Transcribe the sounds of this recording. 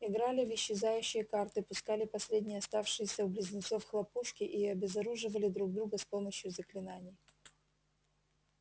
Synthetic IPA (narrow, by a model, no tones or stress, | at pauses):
ɪɡɾalʲɪvɪɕːɪzajʉɕːɪjəkart̪ɨpʊskalʲɪpɐsʲlʲedʲnʲɪjɐst̪afʂɨjɪsʲəʊblʲɪzʲnʲɪt̪sofxlˠɐpuʂkʲɪʔiɐbʲɪzɐɾuʐɨvəlʲɪd̪ɾuɡ̚d̪ɾuɡəspo̞məɕjʊzəklʲɪnanʲɪj